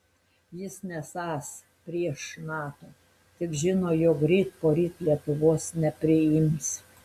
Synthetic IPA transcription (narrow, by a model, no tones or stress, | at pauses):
jɪsnʲɛsɑːs | pʲɾʲiɛʃnɑːt̪oː | t̪ʲɪkʒʲɪnoːjoːkɾʲiːt̪poːɾʲiːt̪lʲiɛt̪ʊʋoːsnʲɛpʲɾʲɪɪms